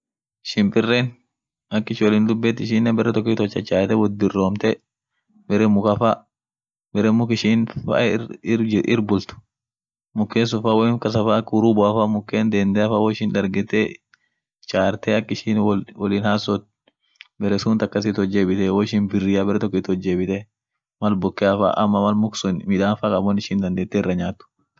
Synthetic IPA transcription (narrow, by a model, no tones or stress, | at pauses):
ɪʃɪnpɪrːeːn | ɐkːɪʃwɔliːnd̪ʊbːɛt̪ːɪʃɪːnːɛbɛɾɛt̪ɔk̬ːiːt̪ɔt͡ʃːɐt͡ʃʼaːt̪ɛwɔd̪ɪrːoːmt̪ɛ | bɛɾɛmʊkɐfa | bɛɾɛmʊkɪʃiːnfa̰ | ʔɪ̰ɾbʊlt̪ʊ̥ | mʊkːeːs̬ʊfaːwɔnkɐs̬ɐfakʊɾuːbʊɐfamʊkːeːnd̪eːnd̪ɛɐfawɔɪʃɪnᶑɐɾɡɪt̪e | t͡ʃʼaːɾt̪eːɐkːɪʃiːnwɔliːnhasɔt̪̚ | bɛɾɛsuːnt̪ɐkːɐs̬ɪt̪ɔd͡ʒːeːbɪt̪ɛwoɪʃinbɪrɪjabɛɾɛt̪ɔkːɪt̪ɔd͡ʒːeːbɪt̪ɛ | mɐlbʊkːeːɐfa̰ːʔɐ̰mːɐmɐlmʊksʊnmɪᶑ̪aːnfaːkʼɐbɔnɪʃiːnd̪ɐnd̪eːt̪ːɛɪrːɐɲaːt̪ːʊ̥